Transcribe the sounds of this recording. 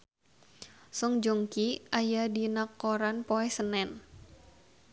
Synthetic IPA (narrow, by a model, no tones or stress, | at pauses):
sɔŋd͡ʒɔŋkiʔajadinakːɔɾanpoɛsənɛn